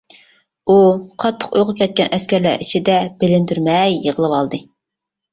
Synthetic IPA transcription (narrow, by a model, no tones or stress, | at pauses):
uqʰɑt̪ʰːə̥qojʁʊkʲʰɛt̪̚kʲɛnʔɛskʲɛɾlæ̰ɾit͡ʃʰid̪ɛb̥elɪnd̪yɾmɛjːəʁəlˠɨwɑlˠd̪ɨ